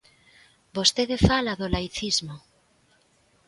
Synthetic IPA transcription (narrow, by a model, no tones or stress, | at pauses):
bost̪eðefalaðolajθizmo